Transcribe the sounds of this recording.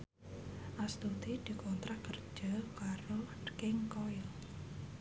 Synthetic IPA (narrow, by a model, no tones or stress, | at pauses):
ʔast̪ud̪id̪̥i̤kɔnt̪ɾakərd̥ʒ̥akaɾokɪŋkɔjɪl